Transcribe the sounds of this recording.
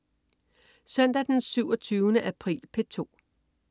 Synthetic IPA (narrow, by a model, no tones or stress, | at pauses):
sœn̰d̥æd̥ensyʊɒt͡sʰyːʊnəʔæpʰʁḭːlpʰe̝t͡sʰo̝̰ː